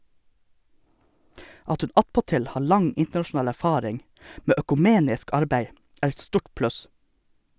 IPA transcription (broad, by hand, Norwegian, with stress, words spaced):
ˈɑt ˈhʉn ˈɑtpɔˌtɪl ˈhɑː ˈɭɑŋ ˈɪntɳɑʃʊˌnɑːl æɾˈfɑːɾɪŋ ˈmeː œkʉˈmeːnɪsk ˈɑɾbæɪ ˈæːɾ ˈɛt ˈstuːʈ ˈplʉs